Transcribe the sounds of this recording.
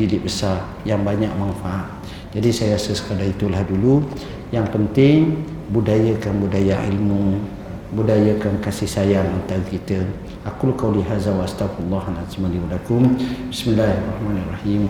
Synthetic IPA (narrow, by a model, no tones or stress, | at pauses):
idɪʔbəsar | jaŋbaɲak̚manfaʔat̪̚ | d͡ʒadisajəɾasəsə̥kadait̪ulahdulu | jaŋpənt̪ɪŋ | budajəkanbudajaʔḭlmu | budajakankasihsajaŋənt̪aɣkit̪ə | ʔakʊlkawliɦazawaast̪aflːɑɦanazimaliwalakʊmbismilːaharˤːɑhmanarˤɑhim